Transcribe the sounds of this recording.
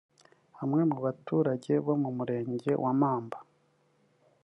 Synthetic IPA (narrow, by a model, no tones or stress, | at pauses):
hamŋe̞mŋuβatuːɾaɟe̞βo̞mumuɾe̞ːɲɟe̞̰wʔamaːmbḁ